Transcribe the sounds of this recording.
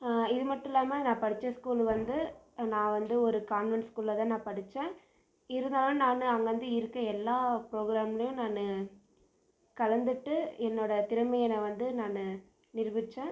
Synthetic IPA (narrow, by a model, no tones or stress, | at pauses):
ɪðɯmɐʈːɪlaːmɐnãːpɐɽɯt͡ʃːɐskuːlʋɐnd̪ɯnãːʋɐnd̪ɯɔɾɯkaːnʋɛnskulːɐt̪ãːnãːpɐɽɪt͡ʃːẽː | ɪɾɯnd̪aːlɯnaːnɯɐŋɡɐʋɐnd̪ɯɪɾɯkːɐɛlːaːpɾoːɡɾaːmɐlɐjʊ̃naːnɯ | kɐlɐnd̪ɯʈːɯɛnːoːɽɐt̪ɪɾɯmɐjɛnɐʋɐnd̪ɯnaːnɯ | nɪɾʋɪt͡ʃːẽː